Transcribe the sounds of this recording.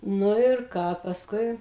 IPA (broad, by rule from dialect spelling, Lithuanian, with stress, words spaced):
ˈnʊ ɪr ˈkɑː pɐsˈkʊɪ